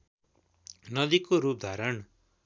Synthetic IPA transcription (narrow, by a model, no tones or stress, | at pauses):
nʌd̪ikoɾup̚d̪ʱaɾʌɳ